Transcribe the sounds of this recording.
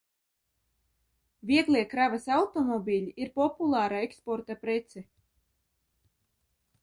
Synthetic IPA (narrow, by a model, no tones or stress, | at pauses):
vʲiɛɡlˠiɛkɾavasawt̪ɔmɔbʲilʲiʔiɾpɔpulˠaːɾaekspɔɾt̪apɾɛt̪sɛ